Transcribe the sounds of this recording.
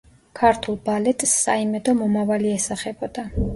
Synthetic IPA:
kʰaɾt̪ʰulˠbalɛt̪ʼsːaimɛd̪ɔmɔmavaliɛsaχɛbɔd̪̥a

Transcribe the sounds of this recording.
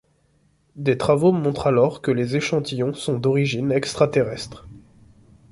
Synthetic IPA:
d̪et̪χavomɔ̃t̪χalɔʁkəlezeʃɑ̃t̪ijɔ̃sɔ̃d̪ɔʁiʒinɛkst̪χat̪eʁɛst̪χ

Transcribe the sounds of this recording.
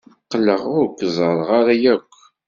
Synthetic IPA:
qːləʁʊɾkʷːzˤəɾˤʁaɾajækʷː

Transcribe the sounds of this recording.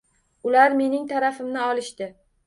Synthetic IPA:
ʊlaɾme̞nɪŋt̪ʰaɾafɪmnɪɒlˠɪʃt̪ɪ

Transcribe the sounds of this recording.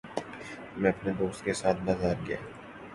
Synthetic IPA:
mɛ̃ɐpneboːskesaːt̪̚ʰbazaːɾɡɐja̰ː

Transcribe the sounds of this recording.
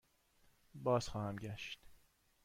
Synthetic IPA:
bɒːz̥xɒːhæmɟæʃt̪

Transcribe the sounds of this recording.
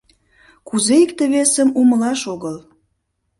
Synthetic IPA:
kuzeikt̪əβesəmuməlɑʃoɣəl

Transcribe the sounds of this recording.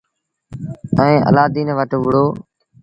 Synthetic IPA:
əẽːʔə̰laːd̪iːnʋəʈʋʊɽoː

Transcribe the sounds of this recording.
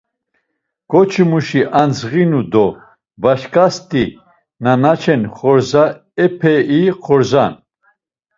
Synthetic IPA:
ɡ̥ɔt͡ʃʰimuʃiʔanzʁinud̪ɔ | baʃkʼast̪ʼi | nanat͡ʃʰɛnχɔɾza | ɛpʰɛiχɔɾzan

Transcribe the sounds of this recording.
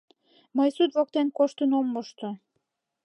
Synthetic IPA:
məjsut̪βok̚t̪enkoʃt̪ənomːoʃt̪o

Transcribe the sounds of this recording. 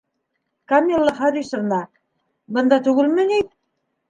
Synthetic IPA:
kɐmʲilˠːɑχɑɾiʃɤ̆ɾnɑ | bɤ̆nd̪ɑt̪ʉɡɘlmɘ̆nit̪̚

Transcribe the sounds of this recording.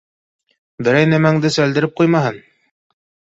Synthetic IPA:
bɘ̆ɾæjnæmæŋd̪ɘsæld̪ɘ̆ɾɘp̚qujmɑɦɤn

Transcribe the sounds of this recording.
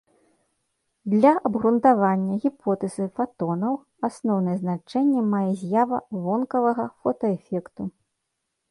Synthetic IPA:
d̪lʲɐʔɐbɣɾunt̪avanʲːɐɣʲipʰɔt̪ɛzɨfat̪ɔnɐw | asnɔwnɐjɛznat͡ʂɛnʲːɛmajɛzʲjavɐvɔnkɐvɐɣɐfɔt̪ɐɛfʲɛkt̪u

